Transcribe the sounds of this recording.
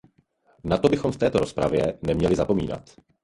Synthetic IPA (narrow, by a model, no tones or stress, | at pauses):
nat̪o̞bɪxo̞mft̪ɛːt̪o̞ɾo̞spɾa̰vjɛnɛmɲɛlɪzapo̞mḭːna̰t̪